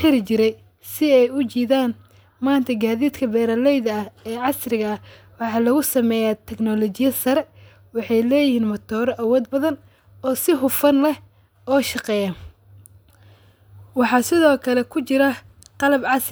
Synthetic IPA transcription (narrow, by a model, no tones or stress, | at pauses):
ħɪɾɪt͡ʃɪɾɛj | sɪɛjʊt͡ʃiːðaːn | maːnt̪ʰɐɡaːðiːd̪kʰɐbɛːɾɐlɛjðɐɐɛːʕɑsrɪɣɐɐ | wɑħɑːlɐɣʊsɐmɛːjaːt̪ʰɛɡnɔlɔt͡ʃɪjɐsɐɾɛ | wɑħɑjlɛːjɪhiːnmɔt̪ʰɔːɾʔɐwɔːd̪̚bɐðɐn | ɔːsɪɦʊfɐnlɛ | ɔːʃɑqɛːjɐ | wɑħɑːsɪðɔːkʰɐlɛkʰʊt͡ʃɪɾɐ | qɑlɐbʕɑs